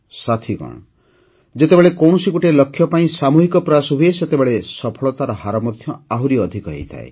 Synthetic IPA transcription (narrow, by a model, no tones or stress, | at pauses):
sat̪ʰiɡɔ̰̃ɽ̃ɔ | d͡ʒet̪ebeɭekɔw̃ɔsikuʈelɔkʰːjɔpaĩsamuɦikɔpɾɔasɔɦueset̪ebeɭesɔpʰɔɭɔt̪aɾɔhaɾɔmɔd̪ʰʱjɔaɦuɾiɔd̪ʱikɔɦḛjt̪ʰa̰e